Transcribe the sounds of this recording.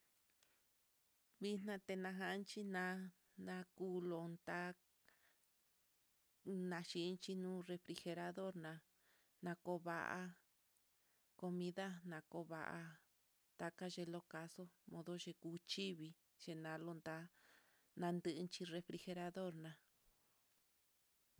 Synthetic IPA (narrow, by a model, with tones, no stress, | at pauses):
βi˦n̥nã˧t̪e˧nã˧ɦã˧˦nt͡ʃi˦nã˧˦ | nã˧kuː˦lo˧nd̪a˦ | nã˧ʃi˧nt͡ʃi˧nũː˦re˧fɾi˧xe˧ɾa˧ðo˦ɾnã˧ | nã˧ko˧˦βa˧ʔa̰˧ | ko˧mĩ˧˦ða˦nã˨˧ko˧˦βa̰˧˨ʔa̰˧ | t̪a˧ka˦ʒe˧lo˧ka˧so˦mõ˧ðo˦ʒe˧kuː˧˦t͡ʃi˦βi˧ | ʒ̥e˧nã˧˦lo˧nd̪a˧˦ | nã˧nd̪ɨ˧ʔɨ˧nt͡ʃi˧re˧fɾi˧xe˧ɾa˧ðo˦ɾnã˨˧